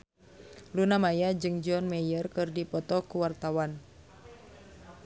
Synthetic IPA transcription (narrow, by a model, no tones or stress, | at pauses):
lunamajad͡ʒɨŋd͡ʒɔnmɛjərkɨrdipɔt̪ɔkuwart̪awan